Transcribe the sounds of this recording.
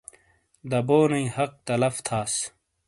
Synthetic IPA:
d̪ɐboːnɐĩhɐq̚t̪ɐlɐft̪ʰaːs

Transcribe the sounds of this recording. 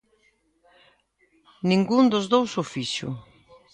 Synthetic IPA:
nĩŋɡund̪ʊzðowsofisʊ̰

